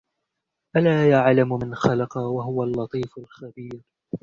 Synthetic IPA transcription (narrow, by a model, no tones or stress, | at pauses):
ʔalaːjaʕlamʊmɪnxɑlɑqɑwaɦʊwalːɑt̪ˤiːfʊlxabiːɾ